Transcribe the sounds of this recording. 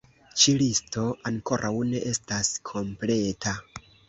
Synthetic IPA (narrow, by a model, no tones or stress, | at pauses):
t͡ʃilisto̞aŋko̞ɾʔawne̞ʔe̞staskʰo̞mple̞tʰa